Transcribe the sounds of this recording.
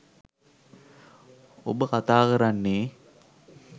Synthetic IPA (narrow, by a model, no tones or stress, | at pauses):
o̰bəkat̪aːkəɾanːeː